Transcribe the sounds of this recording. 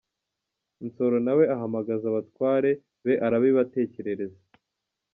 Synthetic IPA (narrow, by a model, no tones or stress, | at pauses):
int͡so̞ɾo̞nawe̞aɦamaɡazaβatwaːɾe̞ | βe̞ʔaɾaβiβate̞ːce̞ɾe̞ɾe̞za